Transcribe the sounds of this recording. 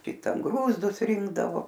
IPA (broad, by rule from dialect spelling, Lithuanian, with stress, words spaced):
ˈkʲɪtɐn ˈɡruːzdʊs ˈrʲɪŋɡdɐʋoː